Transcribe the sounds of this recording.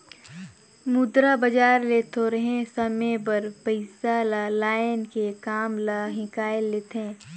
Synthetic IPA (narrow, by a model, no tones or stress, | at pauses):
mʊd̪ɾabɐd͡ʒaːɾleːt̪ʰoɾɐɦẽsɐmẽbəɾpəɪsalalaːɪnkekaːmlaɦɪ̃kaːeleːt̪ẽː